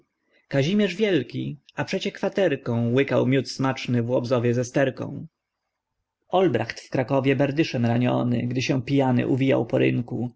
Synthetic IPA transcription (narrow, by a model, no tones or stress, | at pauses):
kaʑimʲjɛʐvʲjɛlkʲiapʂɛt͡ɕɛkfat̪ɛɾkɔ̃w̃wɘkawmʲjut̪smat͡ʂnɘvwɔbzɔvʲjɛzɛst̪ɛɾkɔ̰̃w̃ | ɔlbɾaxt̪fkɾakɔvʲjɛbɛɾd̪ɘʂɛmɾaɲɔ̰nɘ̰ɡd̪ɘɕɛ̃pʲijanɘ̰ʔuvʲija̰wpɔɾɘ̰ŋku